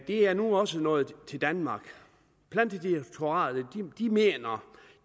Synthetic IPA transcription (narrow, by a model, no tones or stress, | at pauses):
d̥e̝æɐnuɒ̽sənɔ̽ːð̞̩ˠt͡sʰe̝ld̥ænmɑ̈ːɡ̥ | b̥læn̰d̥i̥t͡sʰo̝ɑ̰̈ːð̩ˠd̥id̥ime̝̰ːnɐ